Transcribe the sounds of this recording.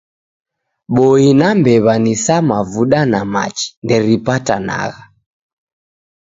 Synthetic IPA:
ɓɔinambɛβanisamavuɗanama̰t͡ʃi̥ndɛɾipata̰na̰ɣa

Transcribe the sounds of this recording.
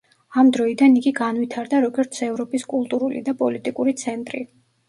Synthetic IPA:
amd̪ɾɔid̪aniɡiɡanwit̪ʰaɾd̪aɾɔɡɔɾt̪sʰɛvɾɔpʼiskʼulˠt̪ʼuɾulḭd̪apʼɔlit̪ʼikʼuɾit̪sʰɛnt̪ʼɾḭ

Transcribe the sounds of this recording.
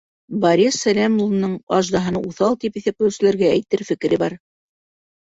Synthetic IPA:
bɑɾʲisːælʲæmulˠnːɤɴɑʒd̪ɑɦɤ̆nɑuθɑlˠt̪ipiθɘp̚kɘ̆wsɘ̆læɾɡææjt̪ɘɾfɘ̆kɘ̆ɾɘbɑɾ

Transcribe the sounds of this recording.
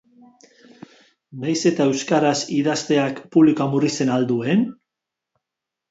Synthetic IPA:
najse̞t̪ae̞wskaɾasiðast̪e̞akpuβlikoamurise̞nald̪ue̞n

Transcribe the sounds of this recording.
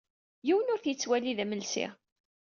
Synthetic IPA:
jiwənʊɾθjət͡sːwæliðæməlsḭʁ

